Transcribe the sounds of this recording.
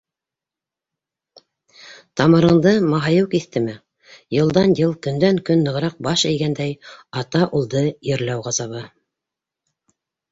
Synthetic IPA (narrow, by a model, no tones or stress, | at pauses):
t̪ɑmɤ̆ɾɤ̆ɴd̪ɤmɑɦɑjɤwkiθt̪ɘmɘ | jɤ̆lˠd̪ɑnjɤlˠkɵ̆nd̪æŋkɵnːɤ̆ʁ̆ɾɑq̚bɑʃɘ̆jɡænd̪æjɑt̪ɑʔulˠd̪ɤjɘ̆ɾlæwʁɑzɑβɤ